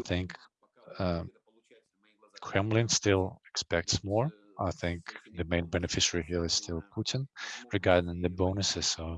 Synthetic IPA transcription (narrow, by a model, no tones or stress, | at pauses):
θɪ̃ŋk | ʌ | kʰɹ̥ɛ̃mlɨ̃nstɪlˠɨkspɛk̚tsmɔɹ | aɪθɪ̃ŋkðɨmẽɪ̃nbɛnɨfɪʃə˞iɦiɹɨz̥stʰɪlˠpʰutɨ̃nɹɨɡɑɹdɪ̃ŋðɨbõʊnɨsɪz̥soʊ